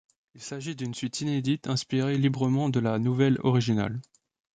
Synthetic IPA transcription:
ilsaʒid̪ynsɥit̪ʰined̪it̪ɛ̃spiʁelibʁəmɑ̃d̪əlanuvɛlɔ̰ʁiʒina̰l

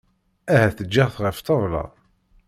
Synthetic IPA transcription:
æhæθəd͡ʒːiʁθʁəft̪ˤəðˤlɑ̰

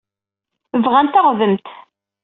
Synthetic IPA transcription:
əvʁænt̪aʁðəmt̪

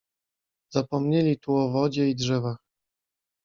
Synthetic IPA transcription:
zapɔmɲelʲit̪uɔvɔd͡ʑɛidʐɛvax

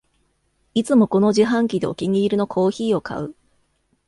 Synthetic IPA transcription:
it͡sɨmo̞ko̞no̞ʑiɦãŋkʲid̪e̞okʲiɲ̟ʲiːɾɯ̟no̞kʰo̞ːçiːo̞ka̰ɯ̟

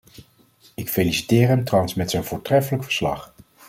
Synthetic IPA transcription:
ɪkfelisi̥tɪːrɦɛmtrɑwənsmɛtsɛjnvʊːɹtrɛfələkfə̥ɹslɑ̰χ

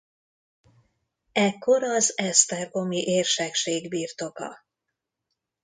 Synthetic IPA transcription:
ɛkːo̞ɾɒzɛst̪ɛrɡo̞miʔeːrʃɛkʃeːɡbiːrt̪o̞kɒ̰

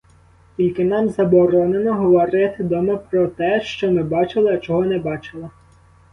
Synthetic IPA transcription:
kʲilʲkɪnɑmzɐbɔɾɔnenɔɦɔʋɔɾɪt̪ɪd̪ɔmɐpɾɔt̪ɛʃt͡ʃɔmɪbɑt͡ʃɪlˠɪːt͡ʃɔɦɔnɛbɑt͡ʃɪlˠɐ

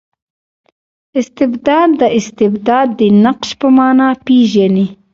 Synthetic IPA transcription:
ɪst̪ɪbd̪ɑːd̪ːəɪst̪ɪbd̪ɑːd̪ːinaqʃpəmɑːnapiʒani

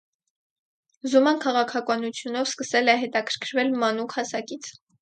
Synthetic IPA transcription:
zumɑnkʰɑʁɑkʰɑkɑnut͡sʰjunɔvskəsɛlɛɦɛt̪ɑkʰəɾ̥kʰɾvɛlmɑnukʰhɑsɑkit͡sʰ

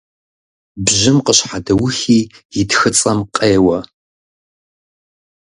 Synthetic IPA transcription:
bʑɪmqəɕħadɐwʊxiːjɪtxɨt͡sʼɐmqʼeːwɐ

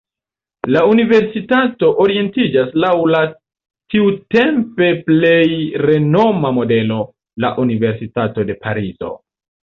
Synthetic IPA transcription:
launive̞ɾsitato̞ʔoɾie̞ntid͡ʒaslawla | tiute̞mpe̞ple̞jɾe̞no̞mamo̞de̞lo̞ | la̰ʔunive̞ɾsitato̞de̞pʰaɾizo̞̰

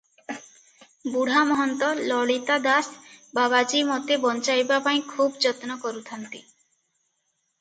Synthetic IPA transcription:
buɽ̤ʱamɔɦɔnt̪ɔlɔɭit̪ad̪asbabad͡ʒimɔt̪ebɔnt͡ʃajbapaĩkʰubd͡ʒɔt̪nɔkɔɾut̪ʰant̪i

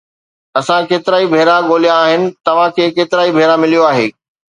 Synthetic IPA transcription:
ɐsãkeːt̪ɪɾaːibʱeːɾaɠoːlijãːɦɪnɪ̆t̪ɐʋ̤ãkʰeːkeːt̪ɪɾaːibʱeːɾamɪlijoaːɦḛː

